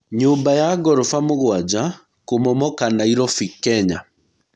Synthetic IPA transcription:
ɲombajaɡɔɾofamoɣwad͡ʑa | komɔmɔkanaiɾɔfikɛɲa

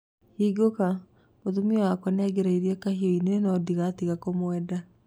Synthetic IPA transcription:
hiːɡoka | moðumiɔwakwɛneaɡeɾaiɾiɛkaɦioineenɔdiɣaːtiɣakomwɛːda

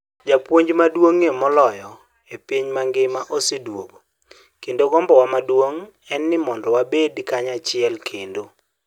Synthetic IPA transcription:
d͡ʒapwoɲd͡ʒmadwoŋemɔlɔjɔ | epiɲmaŋɡɪmaʔosedwoɡo | kendoɡɔmbɔwamadwoŋ | ɛnːɪmɔndɔwabedkaɲat͡ʃɪɛlkʰendo

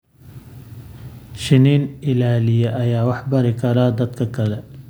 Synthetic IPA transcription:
ʃɪniːnɪlaːlɪjɐʔɐjaːwɑħbɐɾɪkʰɐɾaːd̪ɐd̪kʰɐkʰɐlɛ

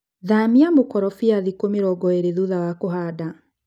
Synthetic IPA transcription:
ðamiamokɔɾɔfiaðikomeɾɔɡɔeɾeðuðawakoɦaːda

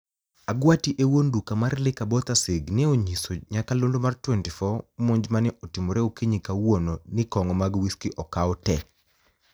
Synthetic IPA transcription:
aɡwatiʔewondukamarlɪkabɔt̪aseɡnɛoɲisoɲakalondomartwɛntɪfɔmoɲd͡ʒmanɛʔotimoɾeokiɲikawononɪkɔŋɔmaɡwiskiʔɔkaɔtɛk

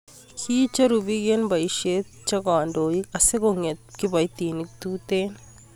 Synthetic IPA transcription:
kʰiːt͡ʃɐɾubiɡenbɐiʃe | t͡ʃɐɡaːɳɖoːjikɐseɡoŋet̪kibɐit̪iːnik̚t̪uːt̪en

